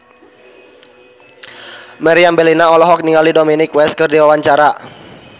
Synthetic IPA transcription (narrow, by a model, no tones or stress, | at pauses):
maɾiambɛlinaɔlɔɦɔk̚niŋalidominɪkwɛskɨrdiwawaɲt͡ʃaɾa